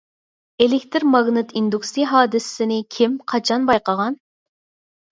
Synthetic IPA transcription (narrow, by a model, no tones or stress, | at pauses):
elɪk̚ʲt̪ʰɪɾmɑɡnɨt̪ʰind̪uksiɦɑːd̪ɨssɪnɪkʲʰɪmqʰɑt͡ʃʰɑnbɑjqəʁɑn